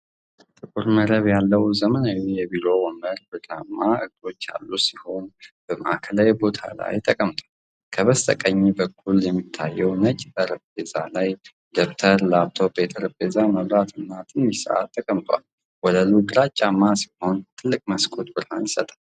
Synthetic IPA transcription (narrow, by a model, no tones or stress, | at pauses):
t̪ʼɨkʼuɾməɾəβjalːəwzəmənawijɛbiɾo̞wɔməɾbɨɡamːaɨɡ̚d̪o̞t͡ʃːa̰lːusiho̞nb̥əməʔakʰəlajbo̞t̪ʰa̰la̰jt̪ʰəkʼəmt̪ʰʼwal | kʰəβəst̪ʰʼə̰kʼəɲːibəkʰːuljɛmːit̪ʰːajːɛwnət͡ʃʼbəɾɨbeza̰laj | d̪okt̪ʰəɾlaβt̪ʰobet̪ʰəɾɨbezaməβɾat̪ʰɨnːat̪ʰʼɨnisə̰ʔa̰t̪ʰːəkʼəmt̪ʼwa̰l | wɔd̪əluɡɨɾat͡ʃʼːamːasi̥ho̞nt̪ʰɨlːɨkʼməskʼot̪bɨɾhanjɪsət̪ʼal